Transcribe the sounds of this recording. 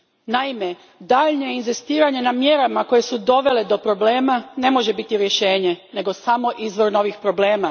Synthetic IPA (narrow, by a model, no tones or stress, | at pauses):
naime̞ | d̪aʎɲe̞inzist̪iːɾaɲe̞namje̞ɾamako̞je̞sud̪o̞ʋe̞le̞d̪o̞pɾo̞ble̞ːmane̞mo̞ʒe̞bit̪iɾje̞ʃe̞ːɲe̞ne̞ɡo̞samo̞ʔizʋo̞ɾno̞ʋixpɾo̞bleːma